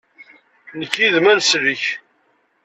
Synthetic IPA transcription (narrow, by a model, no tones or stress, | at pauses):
nəkːiðmænsɾiç